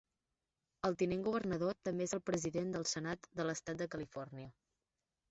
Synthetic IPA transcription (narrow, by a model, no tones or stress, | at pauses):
əlˠt̪ineŋɡuβ̞ərnəðot̪əmbeezəlˠpɾəziðend̪əlˠsənat̪d̪ələst̪at̪̚d̪əkəlifɔrniə